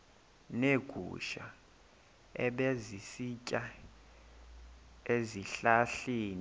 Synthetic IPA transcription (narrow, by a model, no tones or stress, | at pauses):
neɡ̥ʱṵʃa̰ | ɛ̰ɓezisicʼa | eziɬaɬiːni